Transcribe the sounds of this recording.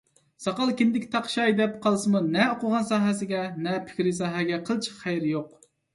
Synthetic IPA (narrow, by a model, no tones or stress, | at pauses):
sɑqɑlˠkʲɪnd̪ɪkʲt̪ʰɑqʃɑjd̪ɛp̚qʰɑlˠsɨmunɛoqʊʁɑnsɑːɦɛsɪɡʲɛnɛpʰɪ̥kʲɾɪsɑːɦɛɡʲɛqʰəlˠt͡ʃʰə̥χæjɾjoq̚